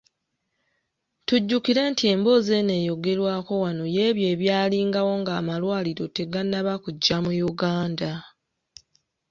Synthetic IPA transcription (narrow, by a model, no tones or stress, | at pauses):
tuɟːukiɾe̞ːntie̞ːmbo̞ːze̞ne̞ːjo̞ɡe̞ɾwaːko̞wano̞je̞ːβje̞ːβjaːliːŋɡawo̞ŋɡaːmalwaːliɾo̞te̞ɡanːaβakuɟːamujuɡaːnda